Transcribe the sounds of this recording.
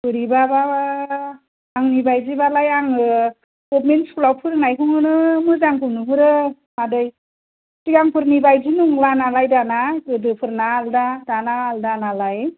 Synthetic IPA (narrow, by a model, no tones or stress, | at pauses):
bɯɾibababa | aŋnibajzibalajaŋɯ | ɡɔpmenskulawpʰɯɾnajkʰɯŋɯnɯmɯzaŋkʰɯmnɯpʰɯɾɯ | madɯj | tiɡaŋpʰɯɾnibajzinuŋlanalajdanaɯdɯpʰɯɾnaːldadanaːldanalaj